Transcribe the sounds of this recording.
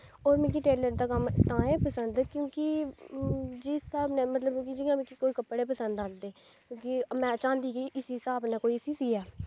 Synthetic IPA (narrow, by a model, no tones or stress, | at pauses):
oːɾmɛ̃ːk̬iʈeːləɾd̪aːkəmt̪ãːẽːpəsənd̪kjõːkɪ | d͡ʒɪsaːbnẽːmət̪ləbkid͡ʒɪjãːmɛ̃kikoːiːkəpːɽeːpəsə̃nd̪ãːnd̪eː | kjõːkimɛ̃ːt͡ʃãːnd̪iːkiʔɪssaːbneːkoːiɪsisiɛː